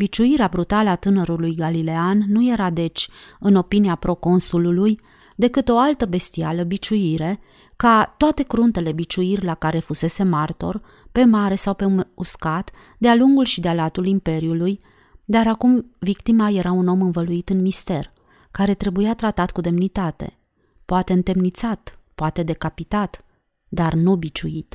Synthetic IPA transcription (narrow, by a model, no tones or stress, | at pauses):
bit͡ʃuiɾeabɾut̪aləat̪ɨnəɾulujɡalile̞anːuje̞ɾad̪e̞t͡ʃʲɨno̞piniapɾo̞ko̞nsululuj | d̪e̞kɨt̪o̞alt̪əbe̞st̪ialəbit͡ʃuiɾe̞ | kat̪oat̪e̞kɾunt̪e̞le̞bit͡ʃuirʲlakaɾe̞fuse̞se̞mart̪o̞̰r | pe̞maɾe̞sawpe̞uskat̪ | d̪ealuŋɡulʃid̪ealat̪ulimpe̞ɾiuluj | d̪aɾakumvikt̪imaje̞ɾauno̞mɨnvəluit̪ɨnmist̪e̞r | kaɾe̞t̪ɾe̞bujat̪ɾat̪at̪kud̪e̞mnit̪at̪e̞̰ | poat̪e̞ɨnt̪e̞mnit̪sat̪poat̪e̞d̪e̞kapit̪at̪ | d̪arnubit͡ʃuit̪